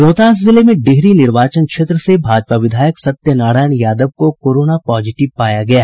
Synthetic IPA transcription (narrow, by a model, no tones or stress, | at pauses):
ɾoːt̪aːszɪlemẽɖeɦɾinɪɾʋaːt͡ʃənkʃeːt̪ɾəsebʱaːd͡ʒpaʋɪd̪ʱaːjəksɐt̪jənaːɽaːjənjaːd̪əʋkokoːɾoːnapɔːd͡ʒɪʈɪʋpaːjaɡɐjaɦ